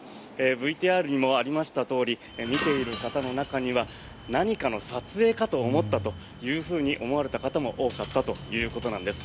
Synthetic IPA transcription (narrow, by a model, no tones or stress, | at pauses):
eːbɯ̟it̪iːaːɾɯ̟ɲ̟imo̞aɾʲimaɕi̥t̪at̪o̞ːɾʲi | mʲit̪e̞iɾɯ̟kat̪ano̞nakaɲ̟iβa | naɲ̟ikano̞sat͡sɨe̞ːkat̪o̞ːmo̞t̪ːat̪o̞ | jɯ̟ːɸɯ̟ːɲ̟iʔo̞mo̞aɾe̞t̪akat̪amo̞̰ʔo̞ːkat̪ːat̪o̞jɯ̟ːko̞t̪o̞nãnd̪e̞sɨ̥